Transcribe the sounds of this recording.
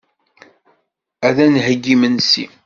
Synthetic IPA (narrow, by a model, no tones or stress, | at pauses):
æðænɦəɡːimənsḭ